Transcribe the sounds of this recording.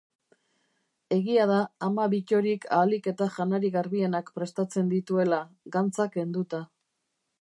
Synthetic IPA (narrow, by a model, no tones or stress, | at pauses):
e̞ɣiað̞aːmaβico̞ɾikʰaːlike̞t̪aʝanaɾiɣaɾβie̞nakpɾe̞st̪at͡se̞nd̪it̪ue̞laɣant͡sake̞nd̪ut̪a